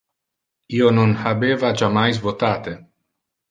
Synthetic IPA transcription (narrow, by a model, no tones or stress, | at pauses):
ionunhabeːvat͡ʃamajz̬vot̪aːt̪e